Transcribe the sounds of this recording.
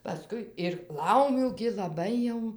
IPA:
pɐˈskʊɪ ɪr ˈlˠɐʊmʲuː ɡʲɪ lˠɐˈbɐɪ jɛʊ

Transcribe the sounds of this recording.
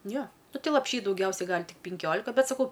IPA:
ˈjoː ˈnʊ ˈtɐɪ lˠɐpʲˈʃʲiː dɐʊˈɡʲɛʊsʲɛɪ ˈɡɐlʲ ˈtʲɪk pʲɪŋʲˈkʲoːlʲɪkɐ ˈbʲɛt sɐˈkɐʊ

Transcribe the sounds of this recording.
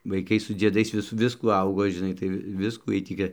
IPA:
ʋɐɪˈkɐɪ sʊ d͡zʲiɛˈdɐɪs ˈʋʲɪs ˈʋʲɪskuː ˈɐʊɡoː ʒʲɪˈnɐɪ tɐɪ ˈʋʲɪ ˈʋʲɪskuː ˈjiɛj ˈtʲiː ɡʲɪ

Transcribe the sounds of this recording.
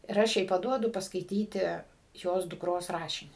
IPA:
ɪr ˈɐʃ jɛɪ pɐˈduɔdʊ pɐskɐɪˈtʲiːtʲɪ ˈjoːs dʊkˈroːs ˈrɑːʃʲɪnʲiː

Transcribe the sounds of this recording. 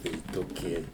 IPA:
tɐɪ toːˈkʲiɛ

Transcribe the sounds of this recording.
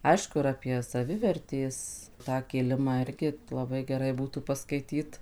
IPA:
ˈɐɪʃkʊ ɪr ɐpʲiɛ sɐˈʋʲɪʋʲɛrʲtʲeːs tɑː kʲɪˈlʲɪmɑː ˈɪrʲɡʲɪ lˠɐˈbɐɪ ɡʲɛˈrɐɪ ˈbuːtuː pɐskɐɪˈtʲiːt

